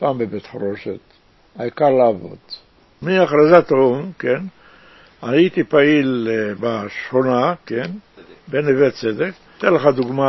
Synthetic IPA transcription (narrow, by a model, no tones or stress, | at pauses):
paːmbebet̪χɾoʃet̪ | aikaɾlaːvo̰d̪̥ | miaχɾazat̪umken | ait̪ipailbaʃχonakenbenevet̪t͡sed̪ek | t̪enleχad̪uɡma